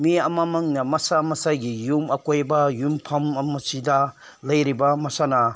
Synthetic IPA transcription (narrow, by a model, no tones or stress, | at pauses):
miɐmamɐŋnɐmɐsamɐsajɡijumɐkojbɐjumpʰɐmɐmɐsidɐ | lɐjɾibɐmɐsanɐ